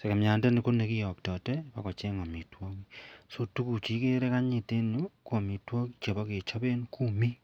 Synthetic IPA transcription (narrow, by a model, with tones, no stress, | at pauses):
se˨ka˨mja˨nde˦ni˨ko˦ne˨ki˦jɔ˨k̚tɔ˨tɛ˦pa˦kɔ˨t͡ʃɛ˦ŋɔ˨mi˨twɔ˦ki˦so˦tu˦ku˨t͡ʃi˨˦ke˦ɾɛ˦ka˦ɲi˨te˦nu˦ko˨mi˨twɔ˦ki˦t͡ʃe˨bɔ˦ke˨t͡ʃɔ˦be˦nku˦mi˦